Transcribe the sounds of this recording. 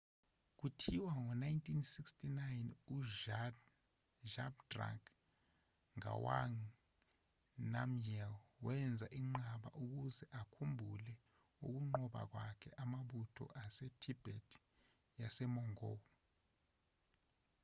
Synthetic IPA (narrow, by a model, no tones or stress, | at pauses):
k̬utʰiwaŋɔnajntʼʰinsikstʰʼinajnuʒ | ʒabdra̰k | ŋa̰wa̰ŋ | namjɛlwɛnd͡zʱaʔiŋ͡ǀaɓa̰ʔuk̬uzɛʔakʰumbʱulɛ | uk̬uŋ͡ǃɔɓa̰k̬wakʰɛʔamaɓutʰɔ̰ʔasetʰib̥ʱɛtʰ | jasɛmɔŋɔːɔ